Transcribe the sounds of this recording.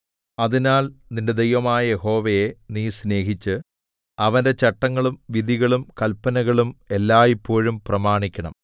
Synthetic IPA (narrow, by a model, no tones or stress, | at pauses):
ɐðinaːlninde̞d̪ejʋɐmaːjɐje̞ho̞ːʋejeniːsne̞ːɦit͡ɕːɨ | ɐʋɐnde̞t͡ɕɐʈːɐŋːɐɭumʋid̪ʱiɣɐɭumkɐlpːɐnɐɣɐɭume̞lːaːjipːo̞ːɻumprɐmaːɳikʲːɐɳɐ̰m